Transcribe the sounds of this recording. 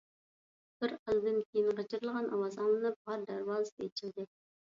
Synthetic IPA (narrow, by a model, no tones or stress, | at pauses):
b̥ɪɾɑlˠd̪ɨnkʲʰejɪnqət͡ʃʰɪɾɨlˠʁɑnʔɑwɑzɑnlˠɨnɨp̚ʁɑɾd̪æɾwɑlɨst̪et͡ʃʰɪld̪ɪ